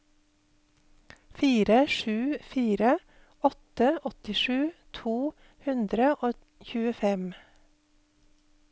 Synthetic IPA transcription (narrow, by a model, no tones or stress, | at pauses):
fiːɾəʃʉːfiːɾə | ɔt̪əʔɔt̪ɪʃʉːt̪ʰuː | hʉnd̪ɾəʔoː | çʉːəfɛm